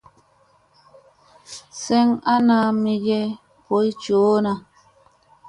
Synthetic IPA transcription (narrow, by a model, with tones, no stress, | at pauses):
sɛ˦ŋa˦na˨˦mi˦d͡ʒe˦ | po˨˦i˦t͡ʃoː˨˦na˨